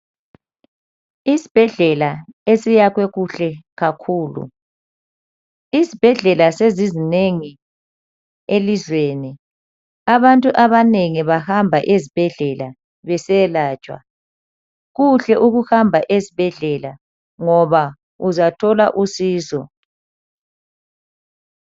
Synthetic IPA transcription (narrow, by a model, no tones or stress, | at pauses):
isi̥b̥ʱɛɮɛlaesijaɣwɛɣuɬɛɣakʰuːlṵ | izib̥ʱɛɮɛlasezizineŋi | elizweni | aβantʼuʔaβaneŋiβahambʱaʔezib̥ʱɛɮɛla | βɛsɛlaːt͡ʃʼwa̰ | ɣuɬɛʔuɣuhambʱaʔezib̥ʱɛɮɛla | ŋɔβa | uzatʰɔla̰ʔusiːsɔ̰